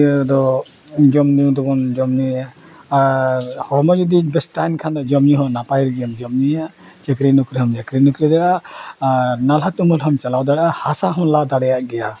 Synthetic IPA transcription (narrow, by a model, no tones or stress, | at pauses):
d̪ɔ | d͡ʒɔmnid̪ɔbɔnd͡ʒɔmnia | ahɔmɔd͡ʒud̪ibɛsʈajnkʰand̪ɔd͡ʒɔmniɦɔnapajɾiɡjɔmd͡ʒɔmnijaʔ | t͡ʃɛkɾinukɾiɦhɔmd͡ʒɛkɾinukɾid̪ɛɽa | ɾnalɦat̪umulɦɔmt͡ʃalawd̪aɽʔahasaɦɔmlad̪aɽɛjaʔɡɛja